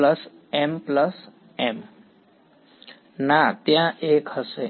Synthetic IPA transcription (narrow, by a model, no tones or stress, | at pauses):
ləs | empləs | em | nat̪jãʔekhəse